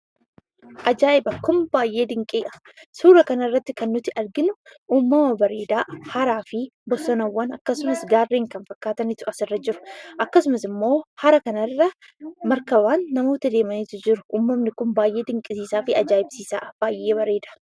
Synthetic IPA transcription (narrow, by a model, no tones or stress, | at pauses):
ʔɐd͡ʒaːʔɪbɐkʊmbaːjʔe̞ːd̪ɪŋkʼɪːʔɐ̥ | suːɾɐkɐnɐɐrːɐt̪ːɪkɐnːʊt̪ːɪʔɐɾɡɪnʊuːmːɐmɐbɐɾe̞ːd̪aːhɐɾaːfɪbɔsɔnɐwːɐnɐkːɐsʊmɐsɡaːrːeːŋkɐnfɐkːaːt̪ɐnɪt̪ʊɐsɪrːɐd͡ʒɪɾʊ̥ʔɐkːɐsʊmɐsɪmːo̞ːhɐɾɐkɐnɐrːɐ | mɐɾkɐbaːnːɐmo̞ːt̪ɐd̪e̞ːmɐnɪt̪ʊd͡ʒɪɾʊʔuːmːɐmnɪkʊmbaːjʔe̞ːd̪ɪŋkʼɪsiːsaːfɪɐd͡ʒaːɪbsiːsa̰ːb̥aːjʔe̞ːbɐɾe̞ːd̪ḁ